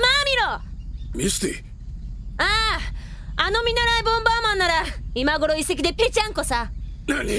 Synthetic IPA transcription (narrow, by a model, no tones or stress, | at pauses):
mamʲiɾomist̪e | aː | ano̞mʲĩnːaɾaibɯõmbaːmãnːaɾaimaɡo̞ɾo̞ise̞kʲid̪e̞pe̞t͡ɕãŋko̞sanaɲʲi